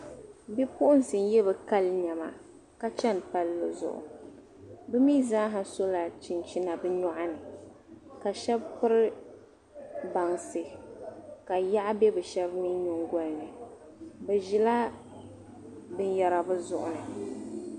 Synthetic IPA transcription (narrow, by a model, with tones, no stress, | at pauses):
bi˦pʊ˦ʔʊ˦n˨sɨ˨n˦jɛ˦βɛ˨ka˦lɲa˨ma̰˨ | ka˦t͡ʃɛ˦n˨pa˦lːɨ˨zʊ̰˨ʔʊ̰˨ | bɨ˦mi˦zaː˦ɦa˨so˦la˨t͡ʃɪ˨nt͡ʃi˦na˨bɨ˦ɲɔ˦ʔa˦nɨ˨ | ka˨ʃɛ˦bpɨ˦ɾɪ˦ | ba˨ŋsɨ˨ | ka˨ja˦ʔbɛ˦bɨ˨ʃɛ˦bmi˦ɲʊ˦ŋɡɔ˦lnɨ˨ | bɛ˨ʒɪ˨la˦ | bɨ˦njɛ˨ɾa˨bɨ˦zʊ˦˨ʔʊ̰˨nɨ˨